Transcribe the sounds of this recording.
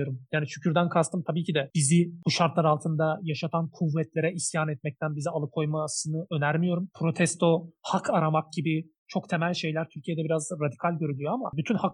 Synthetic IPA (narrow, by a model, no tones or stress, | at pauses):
oɾumjaːniʃycʰyɾd̪ænkʰast̪ɯmt̪ʰabiːcʰid̪ɛb̥izibuʃaɾt̪lˠaɾalˠt̪ʰɯnd̪ajaʃat̪ʰankʰuvːɛt̪lʲe̞ɾɛisjaːnɛt̪̚mɛc̚t̪ʰænbizialˠɯkʰo̞jmasɯnɯø̞næɾmijo̞ɾumpʰɾo̞t̪ʰɛst̪ʰo̞hakʰaɾamak̚ɟ̥ibi | t͡ʃʰo̞kt̪ʰe̞mælʲʃe̞jlʲæɾt̪ʰyɾcʰijɛd̪ɛbiɾazɾad̪ikʰalʲɟø̞ɾylʲyjo̞amabyt̪ʰynhak